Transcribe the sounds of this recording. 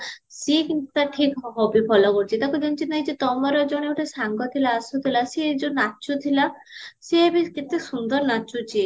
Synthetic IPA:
siekint̪ut̪aʈʰikɦɔbipʰɔlɔkoɾt͡ʃʰit̪akud͡ʒɔnt͡ʃʰinaɦid͡ʒet̪ɔmɔɾɔd͡ʒɔɽ̃eoʈʰesaŋɡɔt̪ʰilaːsut̪ʰilased͡ʒunat͡ʃut̪ʰila | seebiket̪esund̪ɔɾnat͡ʃut͡ʃʰi

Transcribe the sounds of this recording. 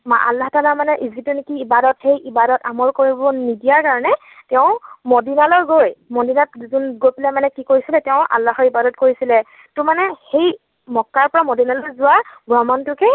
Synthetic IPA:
maʔa̰lːaɦɔtalaɹmanɛʔizitunikiːbadɔtxejʔibadɔtamɔɹkoɹibɔnidijaɹkaɹɔnɛ | tɛʊ̃mɔdinalɔɹɡojmɔdinatzunɡojpilamanɛkikoɹisilɛtɛʊ̃ʔa̰lːaxɔɹibadɔtkoɹisilɛ | tʊmanɛxej | mɔkːaɹpɔɹamɔdinalɔjzʊwabɹɔmɔntʊkɛ

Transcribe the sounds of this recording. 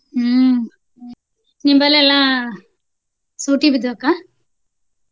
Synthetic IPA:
nimbɐlɛlːa | suʈibid̪ɐkːa

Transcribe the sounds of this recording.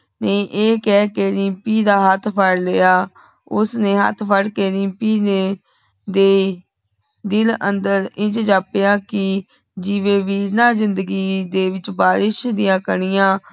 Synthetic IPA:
neːʔeːkɛːkeːɾipiːd̪aːɦət̪ʰpʰəɽlejaː | ʊ̰sneːɦə̰t̪ʰpʰəɽkeːɾĩpiːneː | d̪eː | d̪ɪlə̰nd̪əɾɪ̃t͡ʃd͡ʒaːpejaːkɪ | d͡ʒɪʋẽːʋiːɾnaːzɪnd̪əɡiːd̪eːʋɪt͡ʃbaːɾɪʃd̪ɪjãːkəɳɪjãː

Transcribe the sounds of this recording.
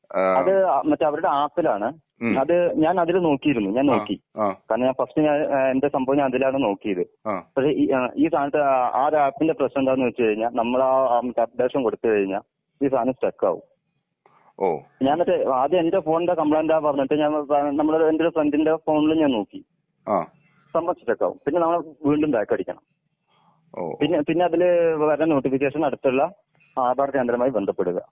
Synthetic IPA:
ɐðɨɐmɐtːe̞ɐʋɐɾuɽe̞aːt̪ːilaːɳɨ | ɐðɨɲaːnɐðilno̞ːkːijiɾunːuɲaːno̞ːkːikaːɾɳɐɲaːnfɐstɨɲaːnende̞sɐmbʱɐʋiɲːanɐðilaːɳɨno̞ːkːijɐðɨpɐkʂe̞iiːst̪ʰaːnɐt̪ːɨaːɾaːt̪ːinde̞prɐɕnɐend̪aːenːuʋet͡ɕːɨkɐɻiɲːaːlnɐmːɐɭamɐtːeɐd̪e̞ːʂɐmko̞ɽut̪ːɨkɐɻiɲːa̰ːl | iːst̪ʰaːnɐmsʈekːa̰ːʋṵm | o̰ɲaːnotːeːðjɨendefo̞ːɳɽekɐmbɭaːndaːparnːɐʈːeɲaːnnɐmːɐɭɾendoɾufrendinde̞fo̞ːɳileɲaːnnoːkːi | aː | sɐmbɐnt͡ɕːi̥ʈːekːa̰ːʋṵmpinːe̞nɐmːɐɭeʋiːɳɖumbeːkːɐɽikʲːɐ̰ɳɐ̰m | o̰pinːepinːeɐðilʋɐɾɐɐnoːʈːifik̬ʲːe̞ːʂɐnɐɽut̪ːɐɭːɐ | aːd̪ʱaːrkeːnd̪ɐɾɐmaːjibe̞nd̪ʱɐpːe̞ɽuɣɐ̰

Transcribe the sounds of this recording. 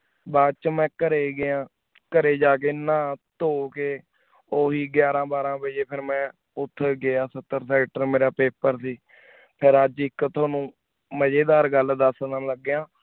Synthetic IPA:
baːt͡ʃmɛ̃ːkəɾeːɡɪjãː | kəɾeːd͡ʒaːk̬eːnãːt̪oːkeː | oːɦiːɡjaːɾãːbaːɾãːbəd͡ʒeːpʰɪɾmɛ̃ː | ʊt̪ʰːɡɪaːsət̪ːəɾsɛːʈəɾmeːɾaːpeːpəɾsiː | pʰɪɾəd͡ʒɪkt̪ʰoːnũː | məd͡ʒeːd̪aːɾɡəld̪əsnãːləɡːjãː

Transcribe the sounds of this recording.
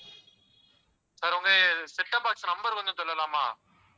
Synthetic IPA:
saːɾʊŋɡɐsɛʈːɐpːaːʈsnɐmbɐɾʋɐnd̪ɯsɔlːɐlaːmaː

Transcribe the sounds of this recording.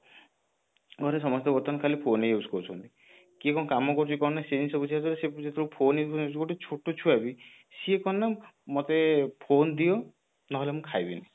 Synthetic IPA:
ɡʱɔɾes̬ɔmɔst̪ebɔɾt̪ankʰalipʰonejuskɔɾt͡ʃʰɔnt̪i | kekɔ̃kamɔkɔɾt͡ʃʰikɔnːasenisɔbut͡ʃʰiat̪ɔɾesed͡ʒet̪ʰɔɾupʰoneusnskoʈit͡ʃʰoʈot͡ʃʰuabi | siekɔnːamɔt̪epʰond̪ijɔ | nɔɦɔlemũkʰajbina

